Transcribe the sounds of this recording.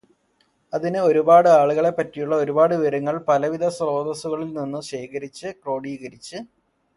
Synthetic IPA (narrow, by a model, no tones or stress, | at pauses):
ɐðinɨo̞ɾubaːɽɨaːɭuɣɐɭe̞pːɐtːijuɭːɐoɾubaːɽɨʋɐɾɐŋːɐɭpɐlɐʋid̪ʱɐsro̞ːd̪ɐsuɣɐɭilninːuɕe̞ːkɐɾit͡ɕːɨkro̞ːɽiːɣɐɾit͡ɕːɨ